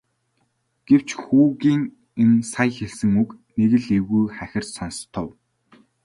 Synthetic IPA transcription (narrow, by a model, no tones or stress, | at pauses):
ɡ̥ew̥t͡ɕxuːɣiːŋ | ensajxeɮsɘ̆ŋukneɣɘ̆ɮewɣujχæxʲɪ̆r̥t̪sanst̪ʰɔw